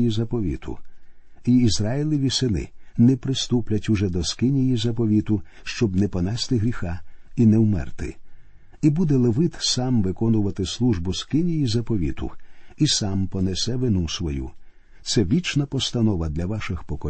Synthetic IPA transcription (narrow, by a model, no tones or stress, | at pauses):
jizɐpɔʋʲḭt̪ʰʊ̰ | iːzɾajilʲˠɪʋʲisɪnɪ̰nɛpɾɪst̪uplʲɐtʲuʒɛd̪ɔskɪnʲijizɐpɔʋʲit̪ʊ | ʃt͡ʃɔbnɛpɔnɛst̪ɪɦɾʲixɑinɛwmɛ̰rt̪ɪ̰ | ibud̪ɛlˠeʋɪt̪sɑmʋɪkɔnʊʋɐt̪ɪslˠuʒbʊskɪnʲijizɐpɔʋʲḭt̪ʊ̰isɑmpɔnɛsɛʋɪnusʋɔjṵ | t̪sɛʋʲit͡ʃnɐpɔst̪ɐnɔʋɐd̪lʲɐʋɑʃɪxpɔkɔ